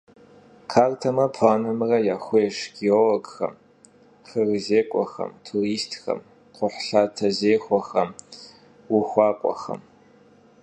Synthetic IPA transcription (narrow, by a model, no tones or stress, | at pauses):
kʰaːrtʰɐmɐpʰaːnɐmɨrɐjaxʷeːʂɡiolɐɡxɐ̰m | χɨrɨzeːkʷʼɔxɐ̰mtʰuriːstʰxɐ̰m | qʷʊħɬaːtʰɐzeːxʷɔxɐm | wʊxʷɑːqʷʼɔ̰xɐ̰m